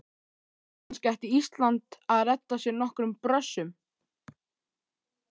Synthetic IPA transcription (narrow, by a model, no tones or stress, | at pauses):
hanscajht̪iist̪lant̪aðrɛt̪ːasjɛɾnɔhkɾʏmpɾœsːʏm